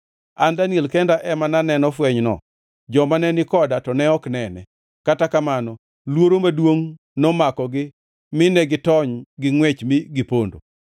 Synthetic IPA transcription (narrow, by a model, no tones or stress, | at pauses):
andanielkɛndaʔɛmananɛnɔfwɛɲnɔ̰ | d͡ʒɔmanɛnɪkɔdatɔnɛɔknɛnɛ̰ | katakamanɔ | lwoɾomadwoŋ | nɔmakɔɡɪ | mɪnɛɡɪtɔɲɡɪŋwɛt͡ʃmɪɡɪpondo̰